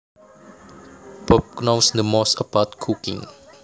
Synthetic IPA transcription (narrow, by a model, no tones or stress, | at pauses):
b̥ɔp̚knosdəmɔsəpat̚kʰukḭ̃ŋ